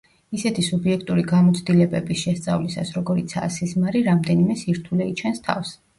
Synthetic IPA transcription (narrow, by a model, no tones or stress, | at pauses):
isɛt̪ʰisubiɛkʰt̪ʼuɾiɡamɔt̪sʰd̪ilɛbɛbisʃɛst̪sʼa̰vlisasɾɔɡɔɾit̪sʰa̰sizmaɾiɾamd̪ɛnimɛsiɾt̪ʰulɛit͡ʃʰɛnst̪ʰa̰fs